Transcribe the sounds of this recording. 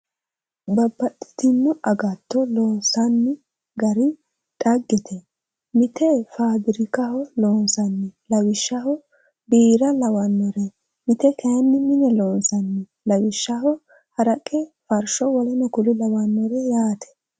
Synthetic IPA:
bɐbːɐtʼːɪ̥t̪ɪnːɔʔɐɡɐt̪ːɔloːnsɐnːɪ | ɡɐɾɪ | tʼɐɡːɛt̪ʰɛ | mɪt̪ɛfaːd̪ɪɾɪkɐhɔloːnsɐnːɪlɐwɪʃːɐhɔ | biːɾɐlɐwɐnːɔɾɛ | mɪt̪ɛkɛjɐnːɪmɪnɛloːnsɐnːɪ | lɐwɪʃːɐhɔ | hɐɾɐkʼːɛfɐɾʃɔwɔlɛnɔkʊlɪlɐwɐnːɔɾɛjaːt̪ʰɛ̥

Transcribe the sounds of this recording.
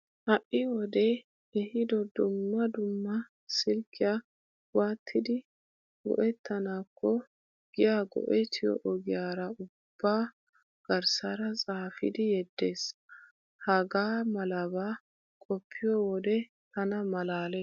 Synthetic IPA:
hɐʔːɪwɔd̪ɛ | ɛhɪd̪ɔd̪ʊmːɐd̪ʊmːɐ | sɪlkʰːɪja | waːt̪ʰːɪd̪ɪ | ɡɔ̰ʔɛt̪ʰːɐnaːkʰːɔ | ɡ̥ɪjaːɡɔ̰ʔɛt̪ʰɪjɔ̰ʔɔɡɪjaːɾɐʊb̥ːaː | ɡ̥ɐɾsɐɾɐt͡sʼaːfɪ̰d̪ɪjɛd̪ːe̞ːs | hɐɡaːmɐlɐbaː | kʼɔpʰːɪjɔwɔd̪ɛ | t̪ɐnɐmɐlaːle

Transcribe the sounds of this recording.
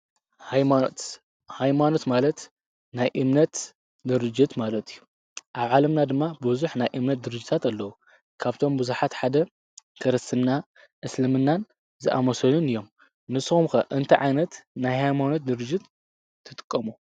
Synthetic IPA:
ht̪ | hajmano̞t̪malɐt̪ | najʔɨmnɐt̪ | d̪ɨɾɨd͡ʒːɪt̪malɐt̪ʰʼijːu | ʔaβʕalɐmnad̪ɨmːabɨzuħnajʔɨmnɐt̪̚d̪ɨɾɨd͡ʒːɪt̪ʰat̪ɐlːɐwu | kʰaβt̪ʰo̞mbɨzuħat̪ħad̪ɐ | kʰɐɾɐsɨmna | ʔɨslɨmɨnːan | zɨʔa̰mɐsɐlunɨjːo̞m | nɨsxumkɐʔɨnt̪ʰɐʕa̰jnɐt̪najhajmano̞t̪̚d̪ɨɾɨd͡ʒːɪt̪ʰː | ɨt̪ʼɨ̥kʼːɐmu

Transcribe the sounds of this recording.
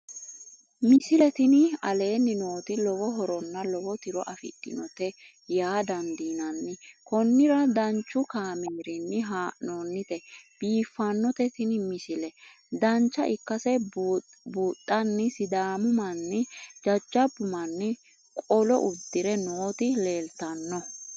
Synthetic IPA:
mɪsɪlɛt̪ɪnɪɐle̞ːnːɪno̞ːt̪ɪlɔwɔɦɔɾɔnːɐlɔwɔt̪ɪɾɔʔɐfɪ̰tːɪ̰nɔt̪ɛ | jaːd̪ɐnd̪iːnɐnːɪkɔnːɪɾɐd̪ɐnt͡ʃːʊkaːmeːɾɪnːɪɦaːnoːnːɪt̪ɛb̥iːfːɐnːɔt̪ɛt̪ɪnɪmɪsɪlɛ | d̪ɐnt͡ʃːɐʔɪkːɐsɛ | buːt̪ʼːɐnːɪsɪd̪aːmʊmɐnːɪd͡ʒɐd͡ʒːɐbːʊmɐnːɪ | kʼɔlɔ̰ʔʊd̪ːɪɾɛnoːt̪ɪle̞ːlt̪ɐnːɔ

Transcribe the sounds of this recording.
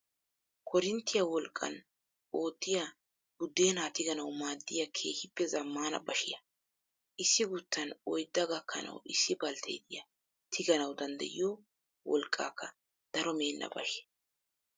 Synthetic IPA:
kʰɔɾɪnt̪ːɪjɐwɔlkʼːɐ̰n | o̞ːt̪ːɪja | bʊd̪ːe̞ːnaːt̪ɪɡɐnɐwmaːd̪ːɪjɐkʰe̞ːhɪpːɛzɐmːaːnɐ̰bɐʃɪjɐ | ʔɪsːɪɡʊt̪ːɐnɔjd̪ːɐɡɐkːɐ̰nɐ̰wɪsːɪbɐlt̪ʰḛːd̪ɪjɐ | t̪ʰɪɡɐnɐwd̪ɐnd̪ɐ̰ʔɪ̰jɔ | wɔlkʼːa̰ːkːɐ | d̪̥ɐɾɔme̞ːnːɐ̰bɐ̰ʃɛ

